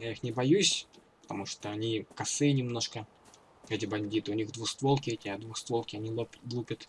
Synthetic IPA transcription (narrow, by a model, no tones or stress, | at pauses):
jaixnʲɪbɐjusʲ | pə̥t̪ɐmuʂt̪oɐnʲikɐsɨnʲɪmno̞ʂkə | ɛtʲɪbɐnʲdʲit̪ɨʊnʲiɣd̪vuxst̪vo̞lˠkʲɪɛtʲɪad̪vuxst̪vo̞lˠkʲɪɐnʲilˠlˠupʲət̪